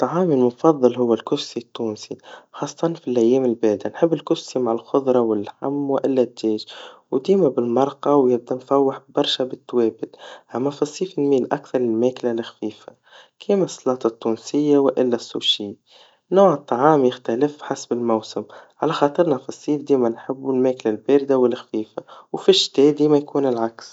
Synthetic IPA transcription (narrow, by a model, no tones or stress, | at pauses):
t̪ˤːɑʕɑːmilmʊfɑðˤːɨlɦʊwːælkʊssit̪ːuːnsixɑːsˤːɑt̪ˤɑnfilʔæjːeːmɪlbɪʕd̪anħɪbːɪlkʊʃsimaʕalxʊðˤɾˤɑwɪlħa̰mːwɪʔɪlːæt̪d͡ʒeːʒwd̪iːmabɪlmɑɾˤqɑwjɪb̚d̪æmfæwːɪħbɑɾˤʃabɪt̪ːweːbɪt̪ʔamːæfɑsˤːiːfɪnmiːlʔa̰kθɑɾˤlɪlmeːklalɪxfiːfa | kʰiːmæsˤːlɑːt̪ˤɑt̪ːuːnsɪjːawɪʔɪlːæsːuʃiːd̪ | noːʕət̪ˤːɑʕɑːmjɪxt̪ælɪfħasbɪlmawsɪmʕalæxɑːt̪ˤɨɾnɑfɑsˤːiːfd̪iːmænħɪbːɪlmeːklalbeːɾɪd̪awɪlːxfiːfawfɪʃːt̪eːd̪iːmæjkuːnɪlʕaks